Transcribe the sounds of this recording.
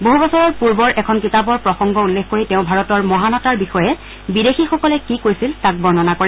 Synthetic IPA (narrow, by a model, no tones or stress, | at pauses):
boɦubɔsɔɹɔɹpuɹbɔɹʔɛkʰɔnkitabɔɹpɹɔxɔŋɡɔulːexkoɹitẽʊ̃bʱaɹɔtɔɹmɔɦanɔtaɹbixɔjɛ | bidexixɔkɔlɛkikojsiltak̚bɔɹnɔnakoɹɛ